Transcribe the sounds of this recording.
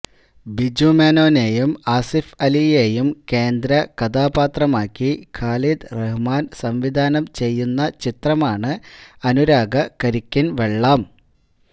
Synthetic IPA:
bid͡ʑumeːno̞ːne̞jumaːsifɐlije̞ːjumke̞ːnd̪ɾɐkɐd̪ʱaːbaːt̪rɐmaːkʲːikʰaːlid̪reɦumaːnsɐmʋid̪ʱaːnɐmt͡ɕe̞jːunːɐt͡ɕit̪rɐmaːɳɨɐnuɾaːɡɐkɐɾikʲːinʋeɭːaːm

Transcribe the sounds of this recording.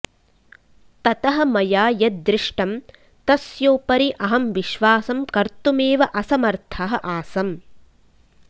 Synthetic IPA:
t̪ɐt̪ɐɦɐ̆mɐjaːjɐd̪ɾɪʂʈɐm | t̪ɐsjoːpɐɾiʔɐɦɐmʋiʃʋaːsɐmkɐɾt̪umeːʋɐʔɐsɐmɐɾt̪ʰɐɦɐʔaːsɐm

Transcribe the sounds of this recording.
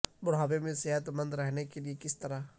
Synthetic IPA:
bʊɽ̤aːwemẽseɦət̪mə̃nd̪ɾɛɦnekeliekɪst̪ɐɾa

